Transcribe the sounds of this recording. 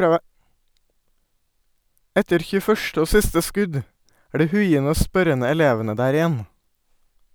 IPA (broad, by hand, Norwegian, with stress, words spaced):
ˈɛtəɾ ˌçʉːəˈfœʃʈə ˈoː ˈsɪstə ˈskʉd ˈæː ˈɖiː ˈhʉɪənə ˈoː ˈspœɾənə ɛˈleːʋənə ˈdæːɾ ɪˈjɛn